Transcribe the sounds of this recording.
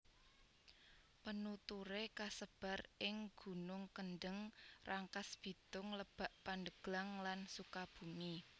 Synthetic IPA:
pənut̪uɾekasəb̥a̤rɪŋɡ̥ṳnʊŋkənɖəŋrʔaŋkasb̥i̤t̪ʊŋləb̥a̤ʔpand̪əɡ̥laŋlansukab̥ṳmi

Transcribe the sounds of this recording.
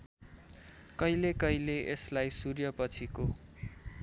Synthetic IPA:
kʌilekʌileʔeslajsurjʌpʌt͡sʰiko

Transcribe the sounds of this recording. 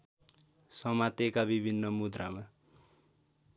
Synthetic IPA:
sʌmat̪ekabibʱinːʌmud̪rama

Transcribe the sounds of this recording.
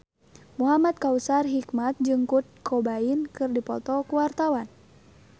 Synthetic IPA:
muɦamat̪̚kausarɦikmat̪̚d͡ʒɨŋkut̪̚kʰɔbainkɨrdipɔ̰t̪ɔkuwart̪awan

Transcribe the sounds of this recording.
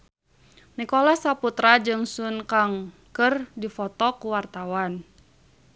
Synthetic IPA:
nikɔlasaput̪ɾad͡ʒɨŋsunkaŋ | kɨrdifɔt̪ɔkuwart̪awan

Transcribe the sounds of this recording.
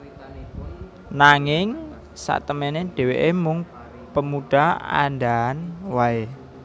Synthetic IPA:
naŋɪŋ | sa̰ʔt̪əmeneɖ̥e̤weʔemʊŋ | pəmuɖ̥aa̰ndaanwae

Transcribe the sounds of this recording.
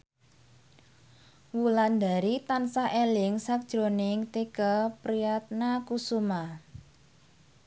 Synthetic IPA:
wuland̪a̤ɾit̪ansaʔelɪŋsak̚d̥ʒ̥ɾo̤nɪŋt̪ikəpɾiat̪̚nakusuma

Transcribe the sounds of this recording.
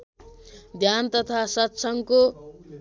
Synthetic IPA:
d̪ʱjant̪ʌt̪ʰasʌt̪sʰʌŋko

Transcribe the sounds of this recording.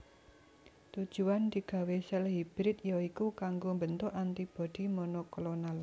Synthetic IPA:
t̪ud̥d͡ʒ̥uwand̪̥i̤ɡ̥ä̤wesɛlɦib̥ɾɪt̪jɔikukaŋɡombənt̪ʊʔant̪ib̥ɔ̤d̪̥i̤monokolonal

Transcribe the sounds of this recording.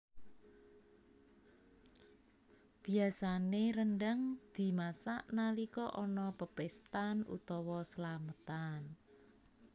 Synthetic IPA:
b̥i̤asaneɾənɖaŋd̪̥i̤masaʔnalikɔʔɔnɔpəpest̪anṵt̪ɔwɔsəlamət̪an

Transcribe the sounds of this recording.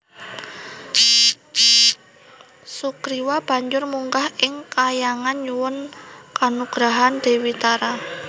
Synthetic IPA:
sukɾiwab̥a̤ɲd͡ʒʊrmuŋkahɪŋkajaŋanɲuwʊnkanuɡ̥ɾaɦand̪̥e̤wit̪aɾa

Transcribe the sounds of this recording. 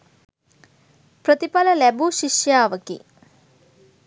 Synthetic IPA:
pɾɐt̪ipɐlɐlɛbuʃiʃjaːʋɐkḭ

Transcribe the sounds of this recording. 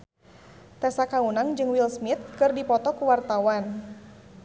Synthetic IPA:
t̪ɛsakaunaŋd͡ʒɨŋwilsmit̪̚kɨrdipɔt̪ɔkuwart̪awan

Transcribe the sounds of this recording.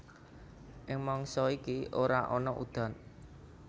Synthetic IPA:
ʔɪŋmɔŋsɔikiʔoɾaʔɔnɔʔṵd̪̥a̤n

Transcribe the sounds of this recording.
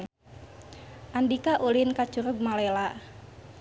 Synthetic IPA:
ʔandikaʔulinkat͡ʃuɾʊɡ̚malɛla

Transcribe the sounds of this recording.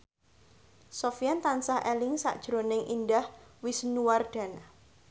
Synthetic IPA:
sofjant̪ansahʔɛlɪŋsa̰ʔd̥ʒ̥ɾonɪŋʔindahwɪsnuwarɖ̥a̤na

